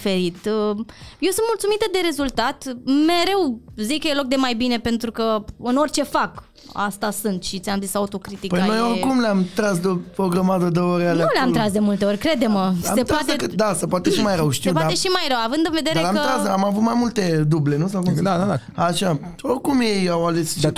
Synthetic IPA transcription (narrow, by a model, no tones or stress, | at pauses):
fe̞ɾit̪ | jewsɨnt̪mult̪sumit̪əd̪e̞ɾe̞zult̪at̪me̞ɾe̞wzikːəjelo̞k̚d̪e̞majbine̞pe̞nt̪ɾukəɨno̞rʲt͡ʃe̞fak | a̰st̪asɨnt̪ʃit̪sʲamzisaut̪o̞kɾit̪ikpəjano̞jorkumleamt̪ɾasd̪opoɡɾəmad̪əd̪əoɾanleuleamt̪ɾasd̪e̞mult̪e̞o̞rʲkɾe̞d̪e̞məasep̪ɾat̪ekɨt̪d̪asəpoat̪eʃimajɾəwʃt̪iedp̪ateʃimajrəwavɨnd̪ɨnve̞d̪eɾaeamt̪ɾas̬amavut̪majmult̪e̞d̪uble̞nus̬awk̪aaaʃaorkumjejawalest͡ʃ